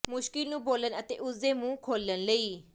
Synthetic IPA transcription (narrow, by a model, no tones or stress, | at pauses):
muʃkilnũbolənət̪eʔuzemũkʰolːənləi